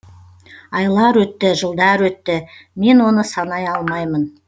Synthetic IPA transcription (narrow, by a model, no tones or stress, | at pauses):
ɑjlˠɑɾwɵt̪ːɪʒəlˠd̪ɑɾwɵt̪ːɪme̞nwo̞nəsɑnɑjɑlˠmɑjmən